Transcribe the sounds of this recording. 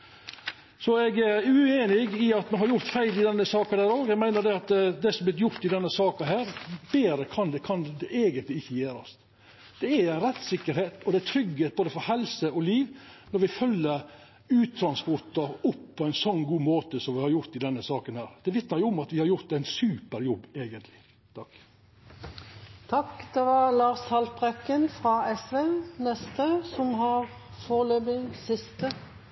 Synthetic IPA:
sɔɛɡæɾʉeːnɪɡɪɑt̪mɛnhɑɾjʊɾt̪fæɪlɪd̪ɛnːəsɑːkɑd̪æːɾoːɡæɡmæɪnəɾd̪ɛɑt̪d̪ɛsɔmblɪt̪̬jʊɾt̪ɪd̪ɛnːəsɑːkɑɦæːɾbeːɾəkʰɑnd̪ɛkʰɑnd̪ɛʔeːɡənt̪lɪɪçːəjeːɾɑ̰st̪ | d̪̥ɛæɾɛt̪ːsɪkːəɾheːt̪ɔd̪ɛæt̪ʰɾʏɡheːt̪boːd̪əfɔɾhɛlsəɔliːʋnɔɾʋɪfœlːəɾ | ʉːt̪ʰːɾɑnspɔʈ̪ːɑɾʊpːʰɔæɪnsɔnːɡuːmoːt̪əsɔmʋɪhɑɾjʊɾt̪ɪd̪ɛnːəsɑːkənhæːɾd̪̥ɛʋɪt̪nəɾjʊʊmɑt̪ʋɪhɑɾjʊɾt̪æɪnsʉːpəɾjɔbːeːɡənt̪lɪ | t̪ʰɑk | t̪ʰɑkd̪̥ɛʋɑlɑːʁshɑlt̪bʁɛkːənfʁɑɛsʋɛnɛst̪əsɔmhɑɾ | foːløːbɪŋsɪst̪ə

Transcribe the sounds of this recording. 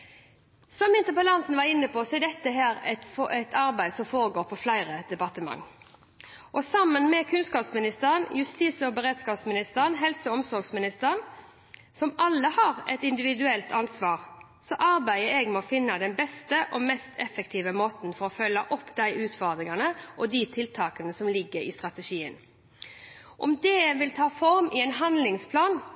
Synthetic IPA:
sɔmɪnt̪əpəlɑnt̪n̩ʋɑɾɪnːəpʰɔsɔɛd̪ɛt̪ːəɦæːɾɛt̪fɛt̪ʰɑɾbæɪd̪sɔmfoːɾəɡoːɾpʰɔflæɪɾəd̪ɛbɑt̪əmɑ̰ŋː | ʔɔsɑmːənmɛkʰʉnskɑːpsmɪnɪst̪əʁənjʉst̪iːsəɔbəʁeːd̪skɑːpsmɪnɪst̪əʁənɦɛlsəɔmsɔɾɡsmɪnɪst̪əɾən | sɔmɑlːəhɑʁɛ̰t̪ɪnd̪ɪʋɪd̪ʉɛlt̪ʰɑnsʋɑːʁ | sɔʔɑɾbæɪəɛɡmɛɔfɪnːɑd̪ɛnbɛst̪əʔɔmɛst̪ʰɛfəkt̪ʰiːʋəmoːt̪n̩fɔɾɔfœlːɑʔɔpːd̪æɪʔʉːt̪fɔd̪ʁɪŋɑnəʔɔd̪it̪ʰɪlt̪ʰɑːkənəsɔmlɪɡːəɾɪ̰st̪ʁɑt̪əʂiːən | ʔɔmd̪ɛʋɪlt̪ʰɑːfɔɾmɪɛnɦɑnd̪lɪŋspʰlɑːn

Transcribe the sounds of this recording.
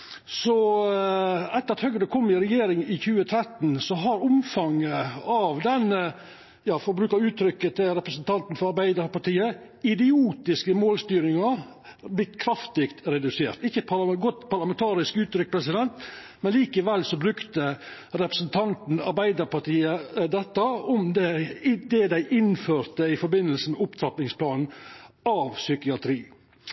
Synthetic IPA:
sɔ | ɛt̪ːəɾɑt̪hœɡəəkʰɔmːɪɾɛjeːɾɪŋɪçʉːət̪ʰɾɛt̪ːn̩sɔɦɑɾʊmfɑŋːəɑʋd̪ɛnːə | jɑːfɔɾbɾʉːkɑʉːt̪ʰɾʏkːət̪ʰɪlɾɛpɾəsn̩t̪ʰɑnt̪n̩fɔɾɑɾbæɪd̪əɾpɑʈiːə | ɪd̪ɪuːt̪ɪskəmoːlst̪yːɾɪŋɑblɪt̪kʰɾɑft̪ɪkt̪ɾɛd̪ʉseːɾt̪ɪçːəpʰɑɡɔt̪ːpɑɾlɑmɛnt̪ʰɑːɾɪskʉːt̪ɾʏk̚ːpʰɾɛsɪd̪ɛnt̪ | mɛnliːkəʋɛlsɔbɾʉkt̪ə | ɾɛpɾəsn̩t̪ʰɑnt̪n̩ɑ̰ɾbæɪd̪əɾpɑʈiːəd̪ɛt̪ːəɔmd̪ɛd̪ɛd̪æɪʔɪnføːɾt̪əɪfɔɾbɪnːəlsəmɛʊpt̪ʰɾɑpnɪŋspʰlɑːnn̩ɑʋsʏkɪɑt̪ʰɾiː

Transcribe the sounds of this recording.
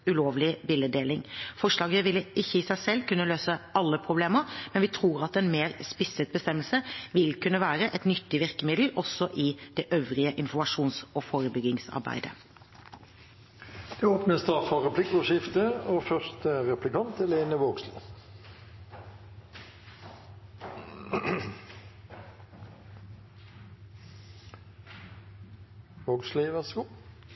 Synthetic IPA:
ʉloːʋlɪbɪləd̪eːlɪŋfɔʂlɑːɡəəʋɪlːəʔɪçːəɪsæɪsɛlkʉnːəløːsəɑlːəpʰʁʊbleːməɾmɛnʋɪt̪ʰɾʁuːɾɑt̪ɛnmeːɾspɪsət̪̚bəst̪ɛmːəlsəʋɪlkʉnːəʋæːɾəʔɛt̪nʏt̪ːɪʋɪʁkəmɪd̪l̩ɔsːɔʔɪd̪̥ɛʔøːʋɾɪəʔɪnfɔmɑʂuːnsɔfoːɾəbʏɡɪŋsɑ̰ɾbæ̰ɪd̪ə | d̪̥ɛoːpnəst̪ɑʁfɔʁɛpʰlɪkːɔʃɪft̪əoːfœʁst̪əʁɛplɪkɑnt̪ɛleːnəʋoːɡslɪ̰ | ʋoːɡslɪʋæʁsəɡuː

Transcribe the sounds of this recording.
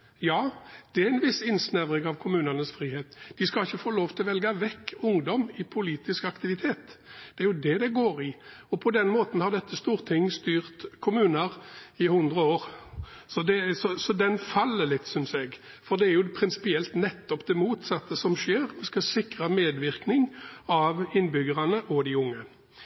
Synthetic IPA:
jɑːd̪̥ɛæɪnʋɪsɪnsnæʋʁɪŋɑʋkʰʊmʉːnənəsfɾiːheːt̪d̪̥ɪskɑlɪçːəfoːloːʋt̪ʰɪlɔʋɛlɡɑʋɛkːʊŋd̪ɔmɪpʰʊliːt̪ɪskɑkt̪ɪʋɪt̪ʰeːt̪d̪̥ɛæɾjʊd̪ɛd̪ɛɡoːɾɪ | ɔpʰɔd̪ɛnmoːt̪n̩hɑʁd̪ɛt̪ːəst̪uːɾt̪ʰɪŋːst̪yːʁt̪kʰʊmʉːnəɾɪhʉnd̪ʁəoːɾsɔd̪ɛsɔsɔd̪ɛnfɑlːəlɪt̪ːsʏnsɛɡ | fɔɾd̪ɛæɾjʊpʰɾɪnsɪ̥pɪɛlt̪nɛt̪ːɔpd̪ɛmuːt̪sɑt̪ːəsɔmʂeːɾɔskɑsɪkʁəmeːd̪ʋɪɾknɪŋɑʋɪnːbʏɡəɾɑnəʔɔd̪ɪʊŋːə

